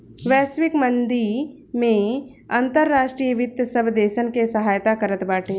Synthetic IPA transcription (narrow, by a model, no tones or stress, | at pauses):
ʋɛːsʋɪkmənd̪i | mẽ | ãnt̪əɾːaːʃʈɾijəʋɪt̪əsəbd̪eːʃənkesɐɦaːjt̪akəɾət̪baːʈʰẽː